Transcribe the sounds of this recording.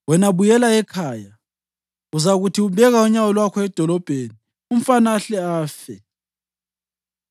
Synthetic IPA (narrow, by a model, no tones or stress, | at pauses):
wɛnaβujɛlaɛkʰaːja | uzaɣutʰiubʱɛɣauɲawɔlwakʰɔɛd̥ʱɔlɔb̥ʱeni | um̩fanaɬɛaːfɛ